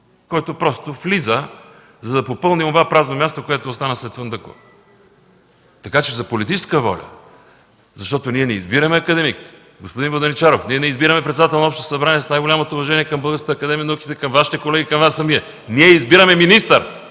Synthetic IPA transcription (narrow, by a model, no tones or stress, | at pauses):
kɔjt̪opɾɔst̪oflizə | zɐd̪ɐpopɤlˠnimovapɾaznomʲjast̪okoɛt̪oːst̪anəslɛt̪fənd̪əko̰ | t̪ɐkat͡ʃɛzɐpolit̪it͡ʃɛskəvɔ̰lʲə̰ | zɐʃt̪ɔt̪oniɛnɛizbiɾəmɛɐkəd̪ɛmik | ɡospod̪invod̪onit͡ʃaɾofniɛnɛizbiɾəmɛpɾɛt̪sɛd̪at̪ɛlˠnoɔpʃt̪o̥sɐbɾaniɛsnajɡolʲamot̪oːvɐʒɛniɛkɐmbɤlˠɡəɾskət̪ɐːkɐd̪ɛmijənɐukʲi̥t̪ɛkɐmvaʃi̥t̪ɛkolɛɡʲikɐmvasːɐmiɛ | niɛizbiɾəmɛminist̪əɾ